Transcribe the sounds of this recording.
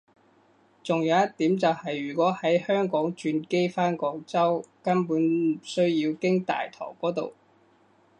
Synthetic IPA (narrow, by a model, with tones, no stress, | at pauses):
t͡sʊ˨ŋjɐ˨˧wjɐ˥t̚t̪ːiː˨˥mt͡sɐ˨whɐ˨jɥyː˨˩kʷɔː˨˥hɐ˨˥jhœː˥ŋkɔː˨˥ŋt͡ʃyː˧nke˥jfaː˥nkɔː˨˥kt͡sɐ˥wkɐ˥npuː˨˥nsɵ˥ɥji˧wkɪ˥ŋt̪a̰ː˨jt̪ʰɔ̰ː˨˩ŋkɔː˨˥t̪o̰˨w